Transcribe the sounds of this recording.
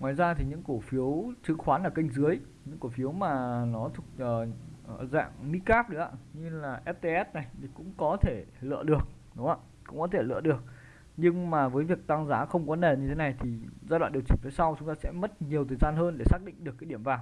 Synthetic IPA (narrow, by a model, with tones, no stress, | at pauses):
waː˧˨jzaː˧t̪ʰi˨˩ɲɨ̰˧˥ŋko˧˩fi˨˦əwt͡ɕɨ˨˦ŋxwaː˨˦nlaː˧˩kï˧jŋ̟zɨ˨˦əj | ɲɨ̰˧˥ŋko˧˩fi˨˦əwmaː˨˩nɔ˨˦t̪ʰʊ˨˩k̚əː˨˩˨za̰ː˧˨ŋmi˦˥kaː˦˥p̚ɗɨ˨˦a̰ː˧˩ɲɨ˧laː˨˩ʔɛ˦˥t̚t̪e˧ʔɛ˦˥t̚na˨˩jt̪ʰi˨˩kʊ̰˧˥ŋ͡mkɔ˨˦t̪ʰe˧˩lə̰˧˨ɗɨ˨˩ək̚ | ɗʊ˨˦ŋ͡maː˧˩ | kʊ̰˧˥ŋ͡mkɔ˨˦t̪ʰe˧˩lɨ̰˧˨ɗɨ˨˩ək̚ | ɲɨ˧ŋmaː˨˩vəː˨˦jvi˨˩ək̚t̪a˧ŋzaː˨˦xə˧wŋ͡mkɔ˨˦ne˨˩ɲɨ˧t̪ʰe˨˦na˨˩jt̪ʰi˨˩zaː˧jwa̰ː˧˨ɗi˨˩t͡ɕï̟˧˩fəː˨˦jsa˧wt͡ɕʊ˨˦ŋ͡mt̪aː˧sɛ̰˧˥mə˦˥t̚ɲi˨˩əwt̪ʰəː˨˩jzaː˧nɦəː˧nɗe˧˩saː˦˥k̚ɗḭ˧˨ŋ̟ɗɨ˨˩əkːjɗi˧˩əmvaː˨˩ŋ